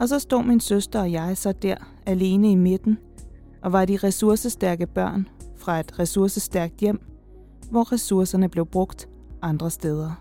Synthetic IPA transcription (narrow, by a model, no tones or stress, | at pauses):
ɒ̽sɒ̽sd̥o̝̰ːminsøsd̥ɐɒ̽jɑ̈ɪsɒ̽d̥æɐ̰ | æle̝ːnəime̝d̥n̩ | ʔɒ̽ʋɑ̈ɾiʁɛsuɐsəsd̥æɐɡ̥əb̥ɶɐ̰nfʁɑ̈e̝d̥ʁɛsuɐsəsd̥æɐɡ̥̚d̥jem̰ | ʋɒʁɛsuɐsɐnəb̥le̝ʊb̥ʁɔ̽ɡ̥d̥ | ʔɑ̈nd̥ʁɐsd̥eːð̞ˠɐ